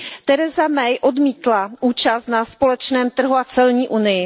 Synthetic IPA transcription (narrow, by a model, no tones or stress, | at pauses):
t̪ɛɾɛzamɛjʔo̞dmiːt̪laʔuːt͡ʃast̪naspo̞lɛt͡ʃnɛːmt̪r̩ɦuat͡sɛlɲiːʔunɪjɪ